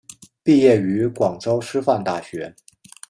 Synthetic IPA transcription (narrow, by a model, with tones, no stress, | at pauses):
pi˥˧jɛ˥˩y˧˥kwɑ˨˩ŋʈ͡ʂo˥ʊʂɻ̩˥fa˥˧nt̪a˥˩ɕɥɛ˧˥